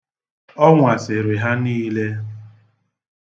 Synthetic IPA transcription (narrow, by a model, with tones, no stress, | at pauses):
ɔ˦ŋʷa˨sɪ˨ɾɪ˨ɦa˦niː˦le˦